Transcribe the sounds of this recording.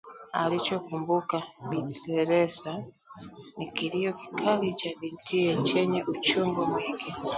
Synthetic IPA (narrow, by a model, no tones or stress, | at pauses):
a̰lit͡ʃɔkumbukaɓitɛɾɛsa | nikiliɔki̥kʰalit͡ʃaɓintʰiɛt͡ʃɛɲɛʔut͡ʃuŋɡɔmwɛŋɡi